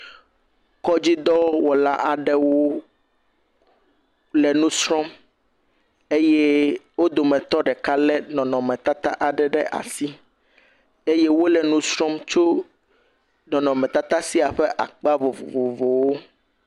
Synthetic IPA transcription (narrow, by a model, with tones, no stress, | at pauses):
kɔ˦d͡ʑi˦d̪ɔ˦wɔ˨la̰˦ʔa˨ɖɛ˦wo˦ | lɛ˨nũ˦sɾɔ̃˦m | e˦jɛ˦wo˦d̪o˨mɛ̃˨t̪ɔ˦ɖɛ˨ka˦lɛ˦nɔ̃˨nɔ̃˨mɛ̃˨t̪a˦t̪a˦ʔa˨ɖɛ˨ɖɛ˦ʔa̰˨si˦ | e˦je˦wo˦lɛ˨nũ˦sɾɔ̃˦mt͡ʃo˦ | nɔ̃˨nɔ̃˨mɛ̃˨t̪a˦t̪a˦si˦a˨ɸɛ˦ʔa̰˨k͡pa˦vo˨vo̰˨vo˨vo˨wo˦